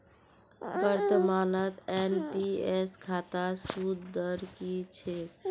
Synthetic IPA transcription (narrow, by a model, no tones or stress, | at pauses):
bəɾt̪əmanət̪enpieskʰat̪asud̪d̪əɾkit͡ʃʰe